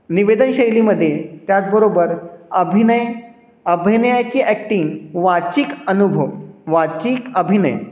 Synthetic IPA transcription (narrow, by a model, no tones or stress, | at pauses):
niʋed̪ənɕəjliməd̪ʱːjet̪jat̪̚bəɾobəɾəbʱinəj | əbʱinəjat͡ɕiːʔæk̚ʈiŋɡʋat͡ɕiːkənubʱəʋʋat͡ɕiːkəbʱinə̰j